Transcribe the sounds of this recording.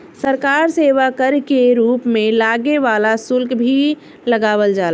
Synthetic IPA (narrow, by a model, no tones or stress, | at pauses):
səɾkaːɾseːʋakəɾkeɾuːpmẽlaːɡeʋaːlasʊlkbʱi | ləɡaːʋəld͡ʒaːl